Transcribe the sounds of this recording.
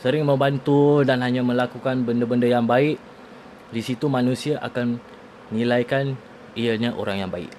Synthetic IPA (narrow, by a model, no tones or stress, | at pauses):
səɾɪŋmə̃mbant̪udanɦaɲãmə̃lakukanbəndəbəndəjaŋbaɪʔ | disit̪umãnũsiaʔa̰kanː | ilajkan | ijaɲaʔo̰ɾaŋjaŋbaɪ̰ʔ